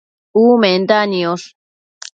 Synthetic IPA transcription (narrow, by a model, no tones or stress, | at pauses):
ument̪anios